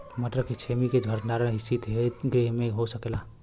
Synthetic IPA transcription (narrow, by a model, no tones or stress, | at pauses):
məʈɾəkːet͡ʃʰemiked͡ʒʱəɾnaɾəɦisit̪ɦeɡɾemeɦosəkela